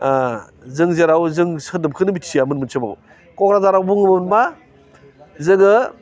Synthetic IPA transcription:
zɯŋzeɾawzɯŋsɯdɯp̚kʰɯnɯbitsijamɯnmɯnsʰɯma̰w | kɔkɾazaɾawbuŋmɯnma | zɯɡɯ

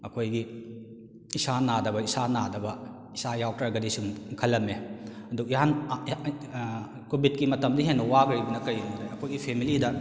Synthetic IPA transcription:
ɐkʰojɡi | isanadɐbɐisanadɐbɐ | isajawkɾaɡɐdisuŋkʰɐlːɐmeɐduk̚iɦan | kobit̚kimɐtɐmdiɦenːɐwaɡɾibɐnɐkɐjudajɐkʰojɡipʰemilidɐ

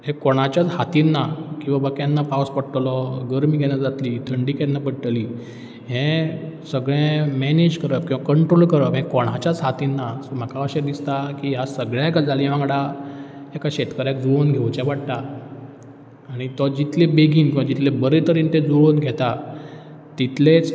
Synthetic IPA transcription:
ɦɛ̃kɔɽ̃at͡ɕat͡shat̪inːakĩw̃ʋabəkjanːapawspəɽəʈ̪lɔɡəɾmiːɡʱɛñjad͡zat̪liːt̪ʰəɳɖikɛ̃nːapəɽʈ̪əliː | ɦɛ̃səɡɭɛ̃mɛned͡ʑkəɾət̪kĩw̃ʋakəɳʈɾolkəɾəɦɛ̃kɔɽ̃at͡ɕjat͡sɦat̪inːasɔm̤akaəɕed̪ist̪akiːɦasəɡɭjakad͡zʱaliʋãŋɡɽa | ɛkaɕet̪kəɾjakd͡zuɭonɡʱeʋt͡ɕɛ̃ʋaɽt̪a | ɽ̃it̪ɔd͡ʑit̪lebeɡiːnkĩʋad͡ʑit̪lebəɾet̪əɾiːnt̪ed͡zuɭonɡʱɛt̪a | t̪it̪let͡s

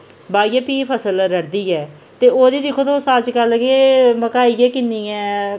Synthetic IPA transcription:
baːiaːpiːpʰəsəlɾəɾd̪iːɛː | t̪eːoːd̪iːd̪ɪkʰːoːt̪õːsaːt͡ʃkəlkeːməkaːiːɛːkɪnːiːɛ̃ː

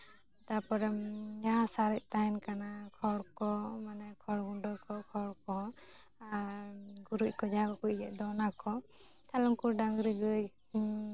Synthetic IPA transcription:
t̪apɔɾɛmd͡ʒaɦasaɾɛʔ̚ˀt̪aɛnkanakʰɔɽkɔmanakʰɔɽɡuɳɖɔkʰɔkʰɔɽkɔ | ɡuɾuc̚kɔd͡ʒaakɔkuc̚d͡ʒɛʔd̪ɔnakɔ | t̪ʰalɔŋkuɾɖaŋɾiɡɯj

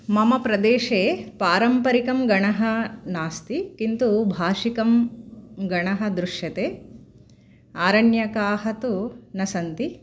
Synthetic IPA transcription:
mɐmɐpɾɐd̪eːʂeːpaːɾɐmpɐɾikɐmɡɐɳɐɦɐnaːst̪ikint̪ubʱaːʂikɐm | ɡɐɳɐɦɐ̆d̪ɾuʂjɐt̪eː | aːɾɐnjɐkaːɦɐt̪unɐsɐnt̪i

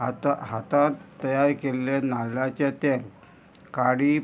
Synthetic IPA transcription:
at̪aɦat̪ãt̪t̪ːəjaɾkelenalat͡ɕet̪eŋ | kaɽi

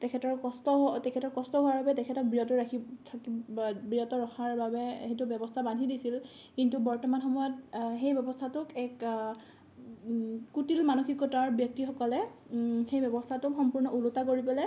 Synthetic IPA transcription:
tɛkʰɛtɔɹkɔstɔtɛkʰɛtɔɹkɔstɔɦʊaɹbabɛtɛkʰɛtɔk̚bɹiɔtɔɹakʰitʰakibɹijɔtɔɹɔxʰaɹbabɛhetʊbjɔbɔstʰabanʱidisil | kintubɔɹtɔmanxɔmɔjɔtxejbɛbɔstʰatʊkɛk | kutilmanuxikːɔtaɹbjɔk̚tixɔkɔlɛxejbjɛbɔstʰatʊkxɔmpuɹnɔʔulʊtakoɹipɛlɛ

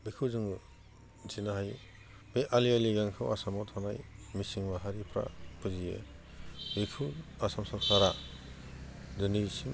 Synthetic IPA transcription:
bikʰuzɯŋu | zinaɦaj | beʔalialiɡaŋkʰɯwasamɔtʰanajmisiŋbaɦaɾipʰɾa̰pʰɯzijḛ | bikʰuasamsapsaɾa | dɯnisim

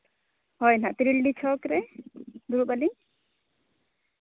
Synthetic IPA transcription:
ɦɔjnat̪ɾilɖit͡ʃʰɔkɾɛd̪uɾubali

